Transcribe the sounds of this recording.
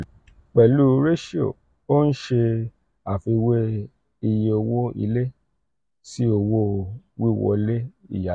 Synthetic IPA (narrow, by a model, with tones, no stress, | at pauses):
k͡pɛ˨lu˦ɾe˦ʃi˦o̰˨ | o˦n̩˦ʃe˧ | a˨fi˧we˦ | i˧je˧o˧wo˦ḭ˧le˦ | si˦o˧wo˦wi˦˨wɔ̰˦˧le˦ḭ˦˨ja˨